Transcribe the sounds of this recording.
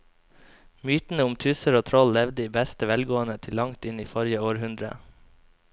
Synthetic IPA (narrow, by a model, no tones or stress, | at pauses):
myːt̪n̩əʊmt̪ʰʉːsəɾoːt̪ʰɾɔllɛʋd̪əiːbæst̪əʋɛlɡoːənət̪ʰɪlːɑŋt̪ɪniːfɔɾjəoːɾhʉnd̪ɾə̰